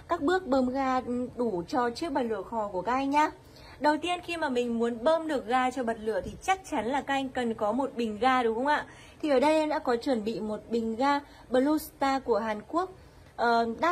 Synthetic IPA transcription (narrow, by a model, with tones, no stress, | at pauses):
kaː˦˥k̚ɓɨ˦˥ək̚ɓəː˧mɣaː˧ɗu˧˩t͡ɕɔ˧t͡ɕɨ˦˥ək̚ɓə˨˩t̚lɨ̰˧˨əxɔ˨˩ku˧˩əkaː˦˥k̚ʔa˧ŋ̟ɲaː˧ | ɗə˨˩wt̪i˧ənxi˧maː˨˩mï˨˩ŋ̟mu˨˦ənɓəː˧mɗɨ˨˩ək̚ɣaː˧t͡ɕɔ˧ɓə˨˩t̚lɨ̰˧˨ət̪ʰi˨˩t͡ɕa˦˥k̚t͡ɕa˨˦nlaː˨˩kaː˦˥ʔa˧jŋ̟kə˨˩nkɔ˨˦mo˨˩t̚ɓï˨˩ŋ̟ɣaː˧ɗʊ˨˦ŋ͡mxə˧wŋ͡mʔa̰ː˧˨ | t̪ʰi˨˩ʔəː˧˩ɗə˧jə˧ɗa̰ː˧˥kɔ˨˦t͡ɕwə˧˩nɓḭ˧˨mo˨˩t̚ɓï˨˩ŋ̟ɣaː˧ | ɓə˧lu˧˥st̪aː˧ku˧˩əɦaː˨˩nku˦˥ək̚ | ʔəː˨˩ɗa̰ː˦˥